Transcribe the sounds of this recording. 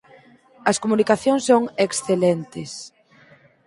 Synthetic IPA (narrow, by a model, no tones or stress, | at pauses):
ɐskomunikaθjõŋsːoŋeksθelent̪ɪs